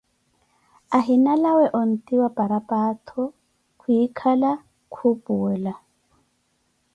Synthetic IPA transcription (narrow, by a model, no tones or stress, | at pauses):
aɦɪnalawɛʔʊn̩tʼiwapʼaɾapʼaːtʰɔ | kʰuikʰala | kʰupʼuːla